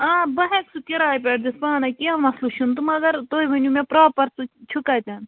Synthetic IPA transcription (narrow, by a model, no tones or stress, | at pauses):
ãːbɐɦẽksukiɾaːjpʲeːʈ̚d̪ispaːnɐkʲiɐnmɐsluʃunt̪umɐɡɐɾt̪oːiʋɐnʲuːmẽpɾaːpɐɾsut͡ʃʰukaːt̪ʲan